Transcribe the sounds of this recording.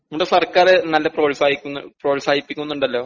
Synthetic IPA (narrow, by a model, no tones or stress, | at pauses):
numːuʈːesɐrkaːɾenɐlːɐproːʈisaːjikʲːunːproːʈisaːjipːikʲːunːuɳɖɐlːo̞ː